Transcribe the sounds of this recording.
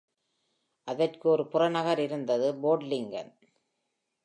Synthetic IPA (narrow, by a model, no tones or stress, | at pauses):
ʔɐðɐrkɯɔɾɯpʊrɐnɐɣɐɾɪɾɯnd̪ɐðɯboːɖlɪŋɡɐ̰n